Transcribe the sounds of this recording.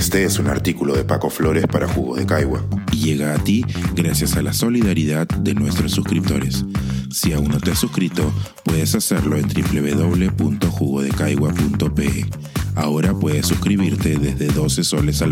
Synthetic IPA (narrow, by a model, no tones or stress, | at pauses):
st̪eesuna̰ɾt̪ikulo̞ðe̞pako̞flo̞ɾe̞spaɾaxuɣoðe̞kajɣwa̰ʝe̞ɣaːt̪iɣɾasjasalaso̞liðaɾiðaðd̪e̞nwe̞st̪ɾosːuskɾip̚t̪o̞̰ɾe̞sː | iaunot̪easuskɾit̪o̞pwe̞ðe̞saseɾlo̞e̞nt̪ɾiple̞βeðo̞β̞le̞punt̪o̞xuɣo̞ð̞e̞kajɣwapunt̪o̞pee | ao̞ɾapwe̞ðe̞sːuskɾiβ̞iɾt̪e̞ðezðe̞ðo̞seso̞le̞sa